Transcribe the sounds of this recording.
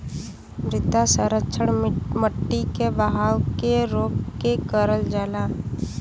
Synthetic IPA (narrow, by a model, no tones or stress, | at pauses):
mɾɪt̪asəɾətːʃʰəɽməʈːikebəɦaːwkeɾoːkkekəɾəld͡ʒaːla